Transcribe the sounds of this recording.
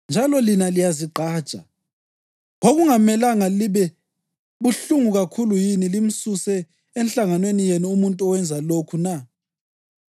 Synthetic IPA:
nd͡ʒʱalɔlinalijaziǃʱaːd̥t͡ʃʼa̰ | ɣoɣuŋamɛlaŋaliβɛ | βuɬuŋuɣakʰulujinilim̩susɛ | ɛnɬaŋanwenijenuːmuntʼuɔwɛnd͡zʱalokʰuna

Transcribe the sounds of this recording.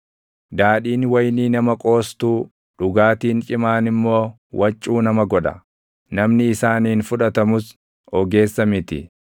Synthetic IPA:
d̪aːᶑiːnwɐjniːnɐmɐkʼo̞ːst̪uː | ɗʊɡaːt̪iːnt͡ʃʼɪmaːnɪmːo̞ː | wʔɐt͡ʃʼːuːnɐmɐɡɔᶑɐ̰ | nɐmnɪɪsaːniːnfʊᶑɐt̪ɐmʊs | ɔɡe̞ːsːɐmɪt̪ɪ̰

